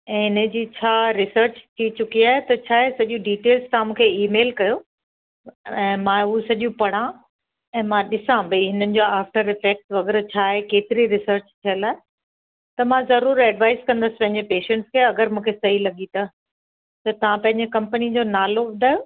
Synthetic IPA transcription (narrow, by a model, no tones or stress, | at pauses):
ɛ̃ːɦɪnə̆d͡ʑiːt͡ɕʰaːɾɪsəɾt͡ɕt̪ʰit͡ɕʊkiaːɦet̪ɐt͡ɕʰaːɦesɐʄũɖiːʈeːlzt̪ɐãmũːkʰeiːmeːlkɐjo | ɛ̃ːmãʊɦusɐʄũpɐɽ̤̃ã | ɛ̃ːmãɗɪsãbʱɐiɦɪnənɪ̆d͡ʑoːaːfʈəɾɪfeːk̚ʈʋɐɡəɾt͡ɕʰaːɦekeːt̪ɪɾiɾɪsəɾt͡ɕt̪ʰijəlaːɦe | t̪ɐmãzɐɾuːɾɛɖʋaːɪzkɐ̃nd̪əsɪ̥pɐ̃ɦɪ̃ɲd͡ʑepeːʃɛ̃ɳʈskʰeɐɡəɾmũːkʰesɐɦilɐɠit̪ɐ | t̪ɐt̪ɐʋ̤ãpɐ̃ɦɪɲd͡ʑekɐ̃mpənid͡ʑoːnaːloʋʊd̪ʱaːjo